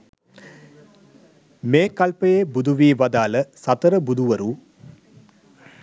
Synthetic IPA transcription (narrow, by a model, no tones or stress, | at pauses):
meːkɐlpəjebud̪ʱuʋiːʋɐd̪aːləsɐt̪əɾəbud̪uʋəɾu